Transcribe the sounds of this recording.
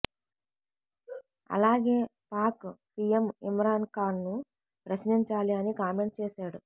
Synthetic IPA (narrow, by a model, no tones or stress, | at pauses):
ɐ̰laːɡeːpaːkpijemimɾaːnkaːnːu | pɾɐʃniɲt͡ʃaːliɐnikaːme̞ɳʈt͡ʃeːʃaːɽu